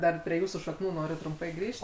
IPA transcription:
ˈdɐr pʲrʲiɛ ˈjuːsuː ʃɐkˈnuː ˈnoːrʲʊ trʊmˈpɐɪ ˈɡrʲiːʃt

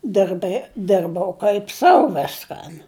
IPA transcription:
dɜrbɜ ˈdʲɪrbɐʊ kɐɪp ˈsɐʊ ˈʋʲɪskɐn

